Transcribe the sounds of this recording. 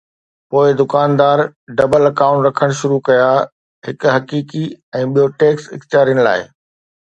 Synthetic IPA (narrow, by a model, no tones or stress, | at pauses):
poːɪd̪ʊkaːnd̪aːɾɖɐbəlɐkaːʊ̃ɳʈɾɐkʰəɽ̃ʃʊɾukɐja | ɦɪkɦɐkiːkiɛ̃ːɓijoʈeːksɪ̰kt̪jaːɾijəñla̰ːɪ